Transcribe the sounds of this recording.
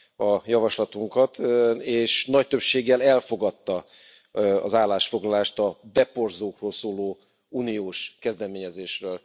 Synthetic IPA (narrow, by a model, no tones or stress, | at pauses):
ɒjɒvɒʃlɒt̪uŋkɒt̪eːʃnɒc̚t̪ø̞pʃeːɡːɛlɛlfo̞ɡɒt̪ːɒ | ɒ̰zaːlːaːʃfo̞ɡlɒlaːʃt̪ɒbɛpo̞rzoːkroːlsoːloː | uːnioːʃkɛzd̪ɛmeːɲɛzeːʃrøːl